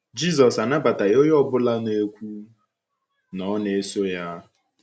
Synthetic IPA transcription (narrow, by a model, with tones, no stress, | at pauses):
d͡ʒi˦zɔ˨sa˨na˦ba˨ta˨jo˦jɔ˦˨bʊ˦la˦ne˦kʷu˦ | nɔ˦ne˨e˦so˦ja˦